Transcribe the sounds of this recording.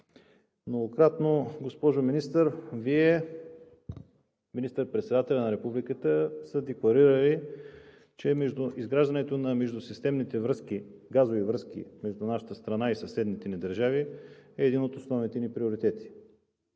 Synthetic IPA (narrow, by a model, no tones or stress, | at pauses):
mnoɡokɾat̪noɡospɔʒominist̪əɾviɛ | minist̪əɾpɾɛt̪sɛd̪at̪ɛlʲɐnɐɾɛpublikət̪əsəd̪ɛklˠɐɾiɾəli | t͡ʃɛmɛʒd̪ʊʔizɡɾaʒd̪ənɛt̪onɐmɛʒd̪ʊsist̪ɛmnit̪ɛvɾɤsk̟iɡazovivɾɤsk̟ḭmɛʒd̪ʊnaʃə̥t̪əst̪ɾɐnaisɐsɛd̪nit̪ɛnid̪ɐɾʒaviɛːd̪inot̪osnɔvnit̪ɛnipɾioɾit̪ɛt̪i̥